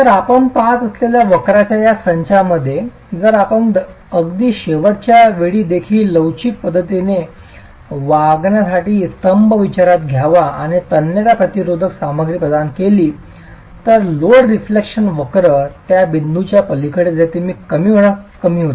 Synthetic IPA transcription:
t̪əɾapəɳpaɦat̪əsleljaʋəkɾat͡ɕjajasəɲt͡ɕʰaməd̪ʱːje | d͡zəɾapəɳ | əɡd̪iːɕeʋəɾt͡ɕjaʋeɭiːd̪ekʰiːlːəwt͡ɕik̪̚pəd̪ʱːət̪ine | ʋaɡɳjasaʈiːst̪əmbəʋit͡ɕaɾat̪ɡʱjaʋaaɽ̃it̪ənːjəɾapɾət̪iɾod̪ʱəksaməɡɾiːpɾəd̪ankeliː | t̪əɾloɽɾiflekʂənʋəkɾət̪jabind̪ʱut͡ɕjapəlikʰəɽed͡zat̪imiːkəmiːɦəɳ̃akəmiːɦot̪i

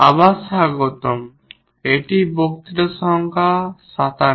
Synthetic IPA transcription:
a̰basaɡɔt̪ɔm | eʈibok̚t̪iʈasɔŋkʰasat̪a

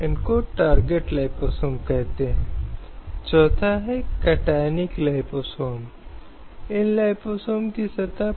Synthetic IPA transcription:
ɪnkoʈaːɾɡeʈlaːɪpoːsoːmkɛɦt̪eɦɛ̃ | t͡ʃɔːt̪ʰaɦɛkɐʈajniklaɪposoːm | ɪnlaɪposoːmkisɐt̪a

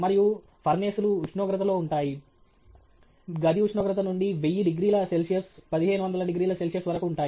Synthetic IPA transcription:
mɐɾiju | pʰɐɾneːsuluːt͡ʃnoːɡɾɐt̪ɐlo̞ːuɳʈaːji | ɡɐd̪iut͡ʃʃnɔːɡɾɐt̪̬ɐnuɳɖiʋejːiɖiɡɾiːlɐselsijɐspɐd̪iɦeːnuʋɐnd̪ɐlɐɖiɡɾiːlɐselsijɐsʋɐɾɐkuːɳʈaː

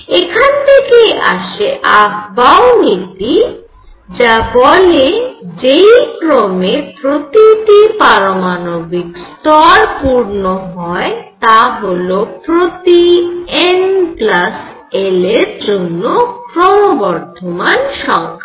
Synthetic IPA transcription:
ekʰant̪ʰekeʔa̰ʃeʔaɡbawnit̪i | d͡ʑabɔled͡ʑejkɾomepɾot̪iʈipaɾomanobikst̪ɔɾpuɾnoɦɔet̪aɦolopɾot̪ienplas | eleɾd͡ʑonːokɾomobɔɾt̪ʰomanʃɔŋkʰa

